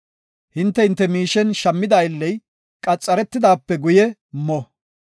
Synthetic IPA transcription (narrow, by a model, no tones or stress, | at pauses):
hɪnt̪ːɛhɪnt̪ːɛmiːʃɛnʃɐmːɪd̪ɐjɪlːɛj | kʼɐt͡sʼːɐɾɛt̪ːɪd̪aːpːɛɡʊjɛmɔ